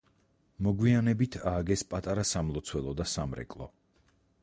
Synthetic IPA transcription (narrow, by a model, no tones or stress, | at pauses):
mɔɡwianɛbit̪ʰaːɡɛspʼat̪ʼaɾasamlˠɔt̪sʰwɛlˠɔd̪asamɾɛ̰kʼlˠɔ̰